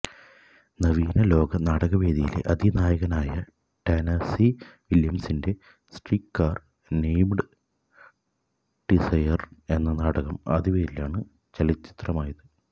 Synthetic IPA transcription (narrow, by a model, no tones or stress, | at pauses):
nɐʋiːnɐlo̞ːɡɐnaːɽɐɣɐʋeːðijilḛʔɐd̪ʱinaːjɐɣɐnaːjɐ | ʈenɐsiʋiljɐmsinde̞ | sʈriːkːaːr | nejmɖɨ | ɖ̥isɐjɐre̞nːɐnaːɽɐɣɐmɐ̰ðiʋeːɾila̰ːɳɨ | t͡ɕɐlit͡ɕːi̥t̪rɐmaːjɐðɨ